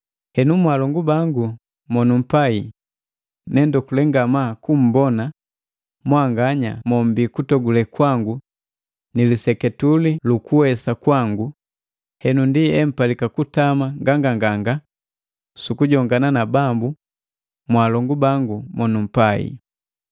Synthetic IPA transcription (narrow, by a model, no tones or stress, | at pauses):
hɛnumwalɔŋɡubaŋɡu | mɔnum̩pai | nɛndɔkulɛŋɡamakum̩bɔna | mwaŋɡaɲa̰mɔm̩bikutɔɡulɛkwaŋɡu | nilisɛkɛtulilukuwɛsakwaŋɡu | hɛnundiɛm̩palikakutamaŋɡaŋɡaŋɡaŋɡa | sukuɟɔŋɡananabambu | mwalɔŋɡubaŋɡumɔnum̩paḭ